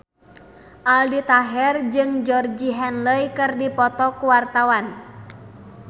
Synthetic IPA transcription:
ʔaldit̪aɦɛrd͡ʒɨŋd͡ʒɔrd͡ʒiɦɛnləjkɨrdipɔt̪ɔkuwart̪awan

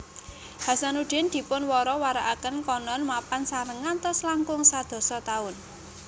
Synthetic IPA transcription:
ha̤sanuɖ̥ɪ̤nd̪̥i̤pʊnwɔɾɔwaɾaʔakənkɔnɔnmapansaɾəŋant̪ɔslaŋkʊŋsad̪̥ɔ̤sɔt̪aʊn

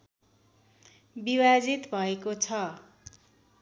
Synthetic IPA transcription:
biwad͡zit̪bʱʌekot͡sʰʌ

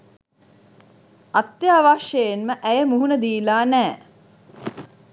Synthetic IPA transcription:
at̪jaːʋaʃjəjenməʔæjəmuɦunəd̪iːlaːnæː

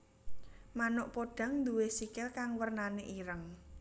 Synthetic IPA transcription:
manʊʔpoɖ̥a̤ŋnd̪uwesikɪlkaŋwərnaneʔiɾəŋ

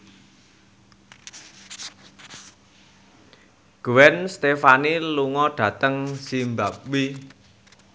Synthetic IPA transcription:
ɡ̥uwɛnst̪efaniluŋɔɖ̥ä̤t̪əŋsimbap̚wi

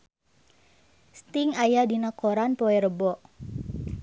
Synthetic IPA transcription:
st̪iŋajadinakoɾanpoɛɾəbɔʔ

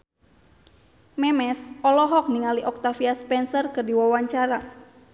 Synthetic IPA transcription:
mɛmɛsɔlɔɦɔk̚niŋaliʔɔk̚t̪afiaspɛnsɔrkɨrdiwawaɲt͡ʃaɾa

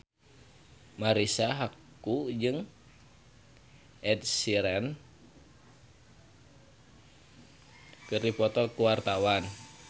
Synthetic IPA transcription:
maɾisaɦak | ud͡ʒɨŋ | ɛd̚siɾɛn | kɨrdipɔt̪ɔlkuwart̪awan

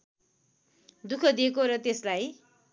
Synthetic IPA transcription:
d̪ukʰʌd̪ijekoɾʌt̪eslaj

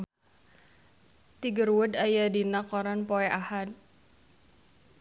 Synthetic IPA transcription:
t̪iɡərwədajadinakɔɾanpɔɛʔahat̪̚

